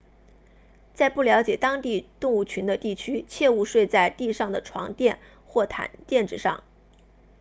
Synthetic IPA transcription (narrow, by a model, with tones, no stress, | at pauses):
t͡sa˥˧ɪpu˥˩ljɑ˧˥ʊt͡ɕjɛ˨˩t̪ɑ˥ŋt̪i˥˧t̪ʊ˥˧ŋu˥˩t͡ɕʰy˧˥nd̪ə˧t̪i˥˩t͡ɕʰy˥t͡ɕʰjɛ˥˧u˥˧ʂwe˥˧ɪt͡sa˥˧ɪt̪i˥˧ʂɑ˥˩ŋd̪ə˩ʈ͡ʂʰwɑ̰˧˥ŋt̪jɛ˥˧n | xwɔ˥˩t̪ʰa̰˨˩˦nt̪jɛ˥˩nʈ͡ʂɻ̩˥˩ʂɑ̰˥˩ŋ